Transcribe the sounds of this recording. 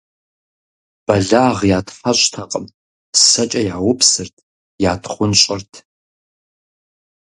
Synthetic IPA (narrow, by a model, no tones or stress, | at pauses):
b̥ɐɮaːʁjaːtfɐɕʷʼtʰɐqʼəm | sɐt͡ʃʼɐjaːwʊpʰsɨrtʰ | jaːtʰχʷʊnɕʼɪrtʰ